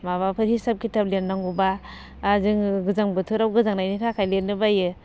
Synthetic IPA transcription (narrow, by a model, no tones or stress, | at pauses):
maβapʰɯɾhisap̚kʰitʰap̚lenːaŋɡubaː | zɯŋɡɯzaŋbɯtʰɯɾawɡɯzaŋnajnitʰakʰajlenːɯbajɯ